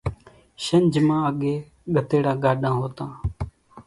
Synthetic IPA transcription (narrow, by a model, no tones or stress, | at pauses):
ʃənd͡ʒmãːəɠeː | ɠət̪eːɽaːɠaːɗãːɦoːt̪ãː